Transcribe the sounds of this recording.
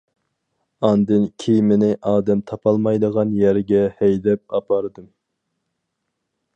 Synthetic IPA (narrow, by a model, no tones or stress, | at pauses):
ɑnd̪ɨnkʲʰijmɪnɪʔɑːd̪ɛmt̪ʰɑpʰɑlˠmɑjd̪əʁɑnjɛɾɡʲɛhɛjd̪ɛp̚ɑpʰɑɾɨd̪ɨm